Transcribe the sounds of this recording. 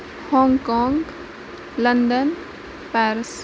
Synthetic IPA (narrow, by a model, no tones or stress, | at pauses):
hɔ̃ːŋɡkɔ̃ːŋɡ | lənɖ̪ən | pɛɾs